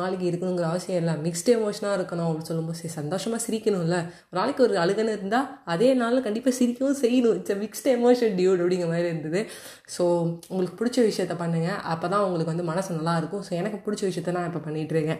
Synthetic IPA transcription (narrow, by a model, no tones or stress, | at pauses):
aːɭɪkːɯɪɾɯkːɐɳʊ̃ŋɡɔɾɐʋɐsɪjɐ̃mɪlːãːmɪksʈɛmoːʂɐnaːɪɾɯkːɐɳʊ̃ɐpːɐɽisɔlːɯmboːssɐnd̪oːʂɐmaːsɪɾɪkːɐɳʊ̃ɪlːɐ | ɔɾnaːɭɪkːɯɔɾɯɐɻɯɣɐnːɯɪɾɯnd̪aːɐðeːnaːllɐ̃kɐɳɖɪpːaːsɪɾɪkːɐʋʊ̃sɛjːɐnʊ̃ɪd͡ʒɐmɪksʈɛmoːʂɐnɖjuːʈɐpːɐɽɪŋɡɾɐmaːd̪ɾiɪɾɯnd̪ɐðɯ | soːʊŋɡɐɭɯkːɯ̥pʊɽɪt͡ʃːɐʋɪʂɐjɐt̪ːɐpɐɳːɯːŋɡɐʔɐpːɐːt̪ãːʊŋɡɐɭɯkɯʋɐnd̪ɯmɐnɐsnɐlːaːɪɾɯkːʊ̃soːɛnɐkːɯpʊɽɪt͡ʃːɐʋɪʂɐjɐt̪ːɐnãːɪpːɐpɐɳːɪʈːɾɯːŋɡɐ̃